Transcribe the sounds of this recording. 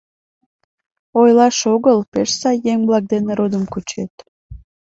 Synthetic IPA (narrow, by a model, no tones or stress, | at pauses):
ojlɑʃoɣəlpeʃsɑjːeŋblɑk̚d̪eneɾod̪əmkut͡ɕet̪